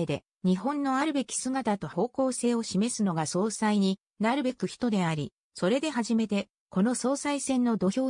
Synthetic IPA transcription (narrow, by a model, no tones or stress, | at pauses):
ed̪e̞ | ɲ̟iɦõ̞nːo̞aɾɯ̟be̞kʲi̥sɨŋat̪at̪o̞ho̞ːko̞ːse̞ːo̞ɕime̞sɨno̞ɡaso̞ːsaiɲ̟i | naɾɯ̟be̞kɯ̟çi̥t̪o̞d̪e̞aɾʲi | so̞ɾe̞d̪e̞ɦaʑime̞t̪e̞ | ko̞no̞so̞ːsaisẽ̞nːo̞d̪o̞çʲo̞ː